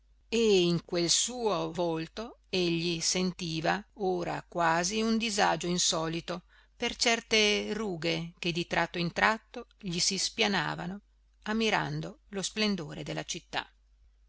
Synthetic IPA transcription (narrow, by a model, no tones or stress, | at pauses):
eiŋkwelsuːovolt̪oeʎːisent̪iːvaoːɾa̰kwaːziund̪izad͡ʒoinsɔːlit̪o | pert͡ʃɛrt̪eruːɡek̟ed̪it̪ɾʔat̪ːoint̪ɾat̪ːoʎisispjana̰ːvano | amːiɾa̰nd̪olosplend̪oːɾed̪elːat͡ʃit̪ːa̰